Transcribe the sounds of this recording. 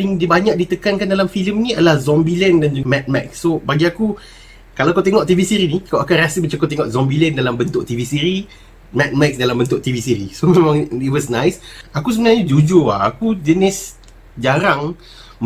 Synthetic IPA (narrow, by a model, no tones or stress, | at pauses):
ɪŋdibaɲak̚dit̪əkankandalamfiləmniadəlahzɔmbilɛndand͡ʒmɛt̪̚mɛk̚sːobaɡiaku | kalawakot̪eŋɔʔt̪ivisiɾinikaakanrasəbət͡ʃakat̪eŋɔʔzɔmbilɛndalambənt̪ʊʔ̚t̪ivisiɾi | mɛt̪̚mɛk̚sdalambənt̪ʊʔ̚t̪ivisiɾisomemaŋiwəsnãjsakus̬əbənaɲad͡ʒud͡ʒoa̰akud͡ʒənɪs | d͡ʒaɾaŋ | m